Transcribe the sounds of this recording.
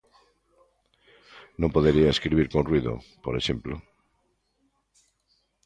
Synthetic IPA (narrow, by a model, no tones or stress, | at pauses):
nõmpoðeɾiaeskɾiβ̞iɾkonrwiðo̰poɾeʃẽ̞mplo